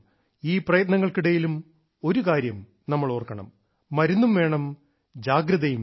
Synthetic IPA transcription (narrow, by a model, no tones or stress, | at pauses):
iːprɐjɐt̪nɐŋːɐɭkiɽejilum | o̞ɾukaːɾjɐm | nɐmːɐɭoːrkɐɳɐ̰mː | ɐɾunːumʋe̞ːɳɐm | d͡ʑaːɡɾɐðɐjum